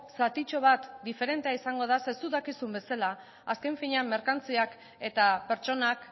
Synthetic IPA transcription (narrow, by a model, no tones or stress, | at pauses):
sat̪it͡ʃo̞β̞at̪d̪ife̞ɾe̞nt̪eaisaŋɡo̞ð̞asesuðakisumbe̞sala | aske̞ɱfiɲamːe̞ɾkant͡siak | e̞t̪ape̞ɾt͡ʃo̞nak